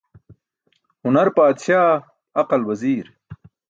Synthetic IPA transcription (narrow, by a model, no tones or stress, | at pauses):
hʊnɐɾpaːt̪ʃaː | ɐqɐlwɐziːɾ